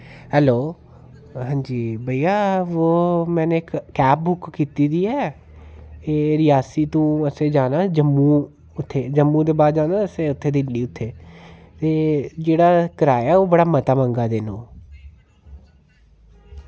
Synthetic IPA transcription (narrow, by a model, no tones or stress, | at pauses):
ɦɛːloː | ɦãːɲd͡ʒiːbəiːaːʋoːmɛ̃ːneːɪkːɛːp̚bʊkkiːt̪iːd̪iːɛː | eːɾɪjaːsiːt̪ũːəsẽːd͡ʒaːnaːd͡ʒəmːũː | ʊt̪ʰːeːd͡ʒəmːũːd̪eːbaːd̪d͡ʒaːnaːəseːʊt̪ʰːeːd̪ɪlːiːʊt̪ʰːeːt̪eːd͡ʒeːɽaːkəɾaːɛːoːbəɽaːmət̪aːməŋɡaːd̪eːnõ̰ː